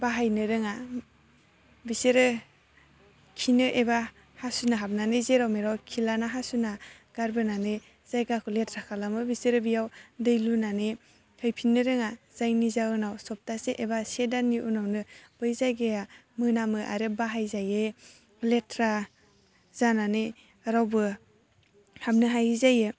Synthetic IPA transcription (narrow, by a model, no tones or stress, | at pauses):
baɦajnɯɾɯŋa | biseɾɯ | kʰinɯʔeba | hasunaɦap̚nanɯzeɾawmeɾawkʰilanaɦasuna | ɡ̥aɾbɯnanɯ | z̥ajɡakʰɯletʰɾakʰalamɯbisɯɾɯbijawdɯjlunanɯ | kʰɯjpʰinːɯɾɯŋazajnizaɯnawsɔp̚taseʔebasedanːiʔunawnɯb̥ɯjzajɡeja | mɯnamɯʔa̰ɾebaɦajzaje | letʰɾa | zananɯ | ɾawbɯ | hap̚nɯɦajzajɯ